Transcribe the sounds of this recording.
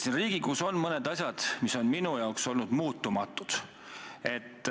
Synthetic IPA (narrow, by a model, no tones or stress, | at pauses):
sinriːɡ̥ikuso̞nmɤned̪̥ɑsʲjɑd̪̥miso̞nminujɑokso̞lnud̪̥muːt̪ːˑumɑt̪ːˑud̪̥ | e̞t̪ːˑ